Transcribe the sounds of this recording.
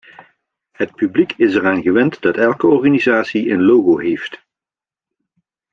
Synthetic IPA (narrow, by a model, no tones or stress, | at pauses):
ɦət̚pyblikʰɪsɛraːnɣəʋɛntdɑtɛlˠkəɔɹɣaːnizaːtsiənlowɣowɦejft